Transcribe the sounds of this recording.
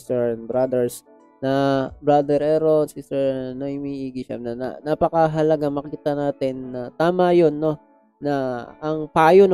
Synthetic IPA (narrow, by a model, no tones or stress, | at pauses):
st̪ɛɹɛnbɾad̪ɛɹs | nɐbɾad̪ɛɾɛɾod̪sist̪ɛɹnɐhɪmiːʔiːɡɪʃa̰mnɐnɐ̰napɐkɐɦɐlɐɡamɐkiːt̪ɐnaːt̪ɪnːɐt̪aːmɐjo̞nːo̞ | nɐːŋpaːjon